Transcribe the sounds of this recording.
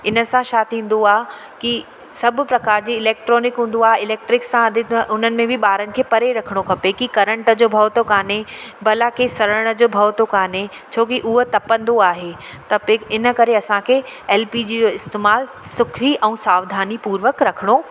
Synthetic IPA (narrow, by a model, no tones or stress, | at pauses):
ɪnə̆sãʃaːt̪ĩːn̆d̪oaːɦ | ki | sɐbʱʊ̆pɾɐkaːɾd͡ʑiːɪleːk̚ʈɾɔːnɪkɦũːn̆d̪oaːɦeɪleːk̚ʈɾɪksːãɐd̪ʱɪʔʊnənɪ̆mẽbʱɪɓaːɾənɪ̆kʰeːpɐɾeɾɐkʰəɽ̃okʰɐpekikɐɾə̃ɳʈəd͡ʑoːbʱɐʋt̪okaːnebɐlakesɐɾəəɽ̃ə̆d͡ʑoːbʱɐʋt̪okaːne | t͡ɕʰoːkiʔʊɦət̪ɐpə̃nd̪oaːɦe | t̪ɐpeɪnə̆kɐɾeɐsãkʰeɛːlpid͡ʑid͡ʑoːɪst̪eːmaːl | sʊkʰiʔɛ̃ːsaːʋd̪ʱaːnipuːɾʋəkɾɐkʰəɽ̃o